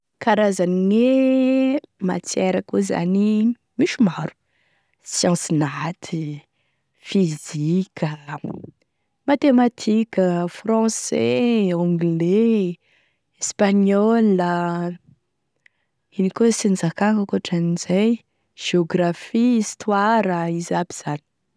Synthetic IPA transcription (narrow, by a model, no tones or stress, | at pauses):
kaɾazaniŋe | ma̰t͡seɾakuza̰ni | miʃumaɾu̥ | sjɑ̃sinat̪ʰi | fizikʲʰə | mat̪emat̪ʰikʲəfrɑ̃seõɡle | espaɲɔlə | inikosind͡zakaŋkakuʈ͡ʂanizaj | ʒ̥eoɡrafiist̪waɾəizabiz̥ani̥